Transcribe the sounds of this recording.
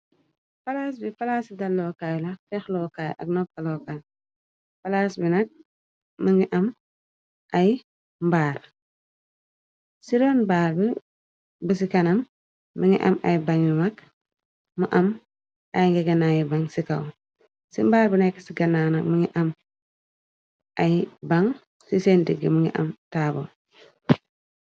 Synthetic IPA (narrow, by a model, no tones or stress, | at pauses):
fɐlaːs̬bifɐlaːsidɐlːɔːkajlɐfɛxlɔːkaːj̰ʔɐ̰k̚nɔkːɐlɔːkaj | fɐlaːsbinɐk̚ | məŋɡiʔɐm | ʔɐj | mbaːɾ | siɾɔnbaːɾbi | bəs̬ikɐnɐmː | əŋiʔa̰majbaɲumak | muʔam | ʔajŋɡiɡɐnːajibaŋsikaw | simbaːɾbənɛkːsiɡɐnanɐkməŋiʔam | ajbaŋ | sisendiɡːəməŋɡḭʔɐ̰mtaːbɔ̰